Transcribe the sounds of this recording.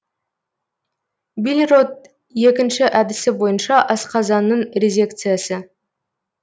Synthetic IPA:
bilʲɾo̞t̪̚ | je̞kʲɪnʃɪʔæd̪ɪsɪbo̞jənʃɑʔɑsqɑzɑnːəɴɾʲezʲe̞kt̪sɨjasə

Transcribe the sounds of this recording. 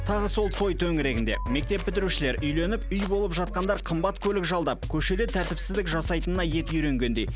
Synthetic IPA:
t̪ʰɑʁəso̞lˠt̪ʰo̞jt̪ʰɵŋɪɾe̞ɡʲɪnd̪e̞̰me̞k̚t̪e̞pːɪt̪ɪɾuʃɪle̞ɾʔʏjle̞nɪpʏjbo̞lˠəpʒɑt̪̚qɑnd̪ɑɾqʰəmbɑt̪kʲʰɵlɪkʒɑlˠd̪ɑp̚kʲʰɵʃe̞d̪et̪ʰæɾt̪ɪpsɪzd̪ɪkʒɑsɑjt̪ənənɑje̞t̪ʏjɾe̞ŋɡʲe̞nd̪e̞j

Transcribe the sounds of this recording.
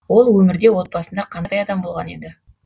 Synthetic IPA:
wo̞lˠwɵmɪɾd̪e̞wo̞t̪̚bɑsənd̪ɑqʰɑnd̪ɑjɑd̪ɑmbo̞lˠʁɑne̞̰d̪ɪ

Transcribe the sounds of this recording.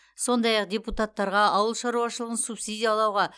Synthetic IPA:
so̞nd̪ɑjɑqd̪ʲeput̪at̪ːɑɾʁɑɑwəlˠʃɑɾuɑʃəlˠəʁənsupsid̪ʲijɑlˠɑwʁɑ

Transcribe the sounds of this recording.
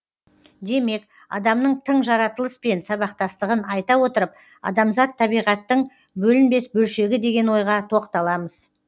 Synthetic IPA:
d̪e̞me̞k̚ | ɑ̰d̪ɑmnəɴt̪ʰəɴʒɑɾɑt̪əlˠəspe̞nsɑβɑqt̪ɑst̪əʁənɑjt̪ɑwo̞t̪əɾəp̚ | ɑ̰d̪ɑmzɑt̪ʰːɑbijʁɑt̪ːəɴ | bɵlɪnbe̞sbɵlʃe̞ɡʲɪd̪e̞ɡʲe̞nwo̞jʁɑt̪ʰo̞qt̪ɑlˠɑməz̥

